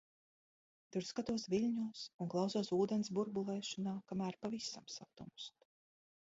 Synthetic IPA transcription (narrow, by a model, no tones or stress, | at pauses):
t̪uɾskat̪uɔsvilʲɲuːsuŋklˠawsuɔːsuːd̪ɛnsbuɾbulˠɛːʃɔnaːkamæːɾpavisa̰msat̪umst̪